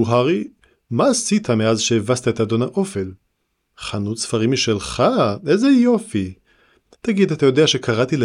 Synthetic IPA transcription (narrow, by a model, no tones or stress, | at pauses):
uɦaʁi | maːsit̪ʰameazʃeevast̪aetado̞nhaʔo̞fe̞l | χanutsfaʁimːiʃelχaezejo̞fi | t̪aɡid̪at̪ajo̞deaʃe̞kaʁatile